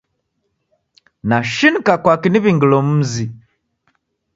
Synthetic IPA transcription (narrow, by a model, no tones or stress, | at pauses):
naʃinikakwakiniβiŋɡilɔm̩zi